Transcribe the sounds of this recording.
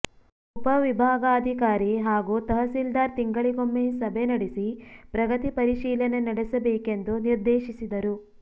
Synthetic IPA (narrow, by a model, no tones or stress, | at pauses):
upɐʋibʱaːɡaɐd̪ʱikaːɾiɦaːɡut̪ɐɦɐsild̪aːɾt̪iŋɡɐɭiɡomːesɐbʱenɐɽisipɾɐɡɐt̪ipɐɾiʃiːlɐnenɐɽesɐbeːkend̪uniɾd̪eːʃisid̪ɐɾu